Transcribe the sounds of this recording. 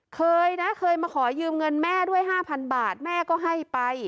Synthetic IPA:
kʰɤː˧jna˦˥kʰɤː˧jmaː˧kʰɔː˩˦jɯː˧mŋɤ˧nmɛː˥˩du˥˩əjɦaː˥˩pʰa˧nbaː˨˩t̪̚mɛː˥˩kɔː˥˩ɦa˥˩jpa˧j

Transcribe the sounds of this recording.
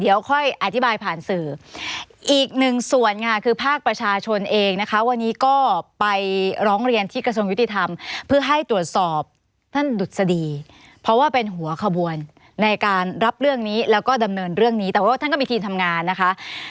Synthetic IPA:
di˩˦əwkʰɔ˥˩jʔa˧˩t̪ʰi˦˥baː˧jpʰaː˨˩nsɯː˨˩ | ʔiː˨˩k̚nɯ˨˩ŋsu˨˩ənkʰa˧˩kʰɯː˧pʰaː˥˩k̚pɾa˧t͡ɕʰaː˧t͡ɕʰo˧nʔeː˧ŋna˦˥kʰa˦˥wa˧nːiː˦˥kɔː˥˩pa˧jɾɔː˦˥ŋɾi˧ənt̪ʰiː˥˩kɾa˧su˧əŋju˦˥t̪i˧˩t̪ʰa˧mpʰɯ˥˩ɐɦa˥˩jt̪ɾu˨˩ət̪̚sɔː˨˩p̚ | t̪ʰa˥˩ndu˨˩t̪̚sa˧diː˧ | pʰɾɔ˦˥waː˥˩pe˧nɦu˩˦ɐkʰa˧bu˧ənː | a˧jkaː˧nɾa˦˥p̚ɾɯ˥˩əŋniː˦˥lɛː˦˥wkɔː˥˩da˧mnɤː˧nɾɯ˥˩əŋniː˦˥t̪ɛː˨˩waː˥˩t̪ʰa˥˩nkɔː˥˩mi˧t̪iː˧mt̪ʰa˧mŋaː˧nːa˦˥kʰa˦˥ʔ

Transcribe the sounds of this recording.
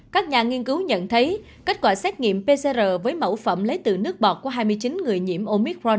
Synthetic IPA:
kaː˦˥k̚ɲaː˨˩ŋi˧ənkɨ˨˦wɲə̰˧˨nt̪ʰə˨˦j | ke˦˥t̚kwaː˧˩sɛː˦˥t̚ŋḭ˧˨əmpe˧se˧zəː˨˩vəː˨˦jmə̰˧˩wfə̰˧˩mlə˨˦jt̪ɨ˨˩nɨ˦˥ək̚ɓɔ˨˩k̚ku˧˩əɦaː˧jm˧əjt͡ɕi˨˦nŋɨ˨˩əjɲḭ˧˩əmʔo˧mi˦˥k̚ɹɔ˧n

